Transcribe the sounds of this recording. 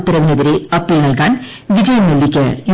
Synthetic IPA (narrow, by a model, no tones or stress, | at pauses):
t̪ːɐɾɐʋinɐðɐɾeɐpːilnɐlkaːn | ʋid͡ʒɐjɐmːelːikʲːɐj